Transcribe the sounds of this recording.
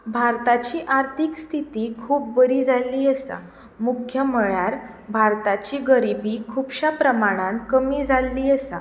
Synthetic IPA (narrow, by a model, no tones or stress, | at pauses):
bʱaɾt̪at͡ɕiːʔaɾt̪ʰikst̪ʰit̪ikʰuːp̚ːəɾiːd͡zalːiːəsa̰ | mukʰjəməɭjaɾ | bʱaɾt̪at͡ɕiɡəɾibikʰubɕapɾəmaɽ̃ãnkəmiːd͡zalːiːəsa